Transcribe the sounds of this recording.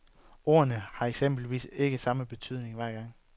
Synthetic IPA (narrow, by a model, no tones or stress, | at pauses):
o̝̰ːɐnəhɑ̈e̝ɡ̥sem̰b̥l̩ʋḭːse̝ɡ̥əsɑ̈məb̥e̝t͡sʰyð̞̰ˠne̝ŋʋæɐɡ̥ɑ̈ŋ̰